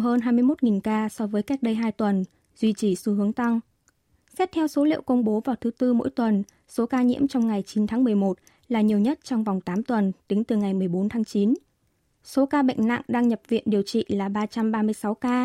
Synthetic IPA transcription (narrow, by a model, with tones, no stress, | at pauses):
ɦəː˧nɦaː˧jmɨ˧əjmo˦˥t̚ŋi˨˩nkaː˧sɔ˧vəː˨˦jka˦˥k̚ɗə˧jɦaː˧jt̪wə˨˩n | zwi˧t͡ɕi˧˩su˧ɦɨ˨˦əŋt̪a˧ŋ | sɛ˦˥p̚t̪ʰɛ˧wso˨˦lḭ˧ə˨wkə˧wŋ͡mɓo˨˦vaː˨˩wt̪ʰɨ˨˦t̪ɨ˧mo̰˧˥jt̪wə˨˩n | so˨˦kaː˧ɲḭ˧˥əmt͡ɕɔ˧wŋ͡mŋa˨˩jt͡ɕi˨˦nt̪ʰaː˨˦mɨ˨˩əjmo˨˩t̚ | laː˨˩ɲi˨˩əwɲə˦˥t̚t͡ɕɔ˧wŋ͡mva˨˩wŋ͡mt̪aː˨˦mt̪wə˨˩nt̪ï˨˦ŋt̪ɨ˨˩ŋa˨˩jmɨ˨˩əjɓo˨˦nt̪ʰaː˨˦ŋt͡ɕi˨˦n | so˨˦kaː˧ɓə̰˧˨jŋ̟na̰˧˨ŋɗaː˧ŋɲə˨˩p̚vḭ˧˨ənɗi˨˩əwt͡ɕḭ˧˨laː˨˩ɓaː˧t͡ɕa˧mɓaː˧mɨ˧əjsa˨˦wkaː˧